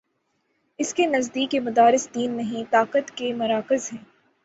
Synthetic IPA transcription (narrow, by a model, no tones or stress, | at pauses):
ɪskenɐzd̪iːkːemʊd̪aːɾɪsd̪iːnːɐɦĩt̪aːqət̪kemɐɾaːkɪzɦɛ̃ː